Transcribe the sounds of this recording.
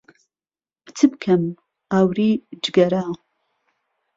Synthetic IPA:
b̥t͡sʰɨp̚kʰɐm | aːwriːd͡ʒɡɐɾaː

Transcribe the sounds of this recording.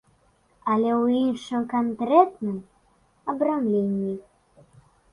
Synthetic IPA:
ɐlʲɛwinʂɨmkankɾɛt̪nɨm | ɐbɾamlʲenʲːi

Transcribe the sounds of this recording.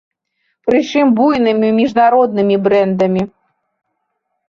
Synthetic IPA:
pɾɨt͡ʂɨmbujnɨmʲimʲiʐnaɾɔd̪nɨmʲibɾɛnd̪ɐmʲi

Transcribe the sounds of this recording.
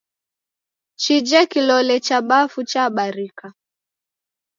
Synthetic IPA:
t͡ʃid͡ʒɛkilɔlɛt͡ʃaɓafut͡ʃaɓaɾika

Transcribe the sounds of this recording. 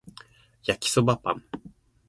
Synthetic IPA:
jakʲi̥sobapã̰m

